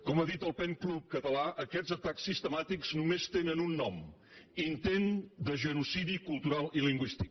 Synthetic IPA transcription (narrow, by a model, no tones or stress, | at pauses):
kɔmaðit̪əlˠpɛŋklup̚kət̪əlaʔəkɛdzət̪aksːist̪əmat̪ikz̥numest̪enənunːɔm | int̪end̪əʒənusiðikulˠt̪uɾalˠiliŋɡwist̪ik